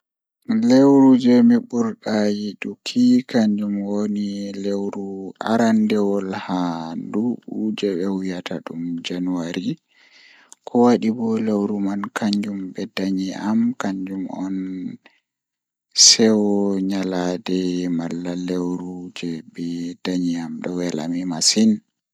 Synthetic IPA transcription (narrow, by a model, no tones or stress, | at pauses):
lewɾud͡ʒɛmiɓuɾɗajiɗukʰikaɲd͡ʒumwonilewɾua̰ɾandɛwɔlhanduɓud͡ʒɛɓɛwijatʰaɗumd͡ʒanuwaɾi | kʰɔwaɗibɔlewɾumankʰaɲd͡ʒumbɛdaɲiʔamkaɲd͡ʒumɔ̰n | sɛwɔɲaladɛmalːalewɾud͡ʒɛbɛd̥aɲiamɗɔwɛla̰mimasin